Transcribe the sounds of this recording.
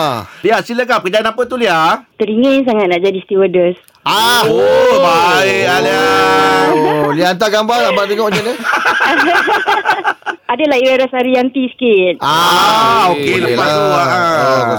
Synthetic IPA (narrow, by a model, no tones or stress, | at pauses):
liaʔsiləkapəkəd͡ʒaanapət̪uliat̪əɾiŋəs̬aŋat̪̚naʔd͡ʒadist̪iwədəs | a | aialia | liant̪aɡambarɡambat̪̬eŋɔʔd͡ʒanə | adəlahiɾaɾasaɾiant̪isə̥kit̪̚a | okeləpasuaʔ